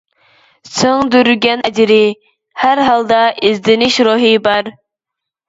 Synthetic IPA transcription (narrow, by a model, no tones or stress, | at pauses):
sɨŋd̪yɾɡʲɛnɛd͡ʒiɾɪ | hæɾɦɑlˠd̪ɑʔizd̪ɪnɪʃɾoɦibɑɾ